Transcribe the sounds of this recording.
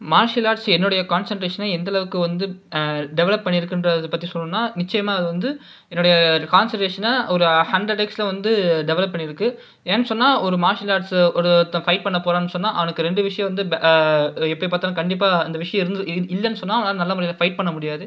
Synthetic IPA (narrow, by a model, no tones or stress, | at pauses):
maːɾʂɪlaːɖsɛnːɯɽɐjɐkaːnsɐɳʈɾeːʂɐnɐɛnd̪ɐlɐʋɯkːɯʋɐnd̪ɯɖɛʋɛlɐpːpɐɳːɪɾɯkːɯndrɐðɯpːɐt̪ːisɔlːɯnːaːnɪt͡ʃːɐjɐmaːɐðɯʋɐnd̪ɯ | ɛnːɯɽɐjɐkaːnsɐɳʈɾeːʂɐnɐɔɾɯhɐɳɖɐʈːekslɐʋɐnd̪ɯɖɛʋɛlɐpːɐɳːɪɾɯkːɯ | eːnːɯsɔnːaːɔɾɯmaːɾʂɪlaːʈsɔɾɯt̪ãfɐɪʈ̚pɐɳːɐpːoːɾaːnːɯsɔnːaːʔɐ̰ʋɐnɯkːɯɾɛɳɖɯʋɪʂɐjɐ̃ʋɐnd̪ɯ | ɛpːɐɽipːaːɾt̪ːaːnːkɐɳɖɪp̬ːaːɐnd̪ɐʋɪʂɐjɐ̃mɪɾɯnd̪ɯɪlːɛnːɯsɔnːaːʋɐnːlɐnɐlːɐmːɾɪlɐfɐɪʈ̚pɐɳːɐmʊɽɪjaːðɯ